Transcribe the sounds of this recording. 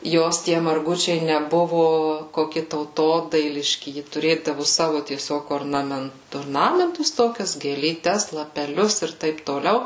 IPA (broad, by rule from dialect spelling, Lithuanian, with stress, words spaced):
ˈjoːs tʲiɛ mɐrˈɡʊt͡ʃʲɛɪ nʲɛˈbʊʋʊ koːˈkʲɪ tɐʊˈtoːdɐɪlʲɪʃʲkʲɪ ˈjɪ tʊˈrʲeːdɐʋʊ ˈsɑːʋʊ tʲiɛˈsʲoːk oːrnɐˈmʲɛnt oːrˈnɑːmʲɛntʊs ˈtoːkʲɛs ɡʲeːlʲiːˈtʲɛs lˠɐpʲɛˈlʲʊs ˈɪr ˈtɐɪp toːˈlʲɛʊ